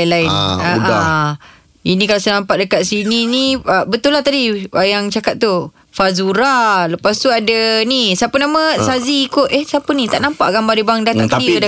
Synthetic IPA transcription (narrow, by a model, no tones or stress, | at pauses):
lainaʔa | inĩkalasənampat̪̚dəkaʔ̪̚sininiəbət̪ulːaht̪adiajaŋt͡ʃakat̪̚t̪u | fazuɾaləpast̪uadanisapənamə̃saziːkoʔehsapənĩt̪a̰ʔnãmpa̰ʔɡambadibaŋdat̪akiəd